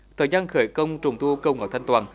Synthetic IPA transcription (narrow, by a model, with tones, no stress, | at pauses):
t̪ʰəː˨˩jzaː˧nxəː˧˩jkə˧wŋ͡mt͡ɕʊ˨˩ŋ͡mt̪u˧kə˧wŋə̰˨˦˩jt̪ʰa˧ŋ̟t̪waː˨˩n